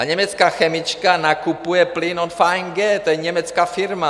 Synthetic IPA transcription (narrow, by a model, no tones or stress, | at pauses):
aɲɛmɛt͡skaːxɛmɪt͡ʃkanakupujɛplɪnonfaːɛŋɡɛːt̪ojɛɲɛmɛt͡skaːfɪɾma